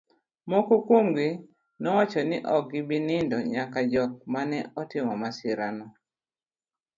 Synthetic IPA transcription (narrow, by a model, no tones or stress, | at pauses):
mokokomɡi | nɔwat͡ʃɔnɪʔɔk̚ɡɪbɪnɪndɔɲakad͡ʒɔk̚manɛɔtɪmɔmasɪɾanɔ